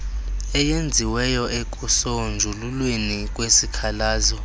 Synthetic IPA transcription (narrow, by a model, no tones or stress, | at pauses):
ɛjend͡zʱiwɛjɔekʼusond͡ʒʱululwenik̬ʼwesikʰalaːzɔ